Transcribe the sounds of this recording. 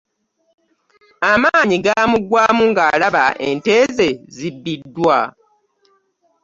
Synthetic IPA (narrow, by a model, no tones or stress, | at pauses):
amaːɲiɡamuɡwaːmuŋɡalaβaʔe̞nte̞ːze̞zibːidːwa